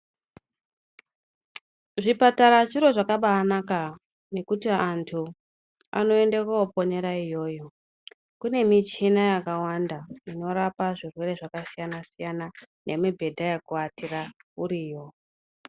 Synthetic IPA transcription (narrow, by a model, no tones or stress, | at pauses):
ʐipataɾat͡ʃiɾo̞ʐakaɓaːnaka | ne̞kutiantʰu | a̰no̞e̞nde̞kwaopo̞ne̞ɾaijo̞ːjo̞ | kune̞mit͡ʃinajakawandaino̞ɾapaʐirwe̞re̞ʐakasijanasijananemebʱe̞dʱajakuatirauɾiːjo̞